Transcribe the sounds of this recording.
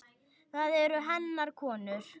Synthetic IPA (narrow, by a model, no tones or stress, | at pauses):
θaðɛɾʏɦɛnːaɾkʰɔːnʏɾ̥